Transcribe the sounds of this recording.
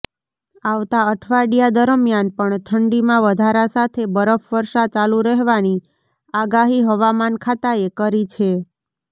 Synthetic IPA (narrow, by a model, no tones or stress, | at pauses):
aʋt̪aəʈʰʋaɖijad̪əɾəmjanpəɳt̪ʰəɳɖimãʋəd̪ʱaɾasat̪ʰebəɾəfʋəɾʃat͡ʃaluɾəɦʋani | aɡaɦiɦəʋamankʰat̪aekəɾit͡ʃʰe